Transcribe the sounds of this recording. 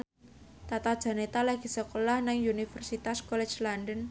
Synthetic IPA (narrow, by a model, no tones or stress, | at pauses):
t̪at̪ad̥ʒ̥a̤net̪alaɡ̥i̤səkolahnɪŋunifərsit̪askole̥d͡ʒlandən